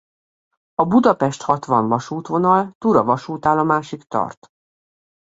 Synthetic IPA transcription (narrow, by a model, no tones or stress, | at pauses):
ɒbud̪ɒpɛʃt̪hɒt̪ʋɒɱvɒʃuːt̪ʋo̞nɒlt̪uɾɒvɒʃuːt̪aːlɒmaːʃikt̪ɒ̰rt̪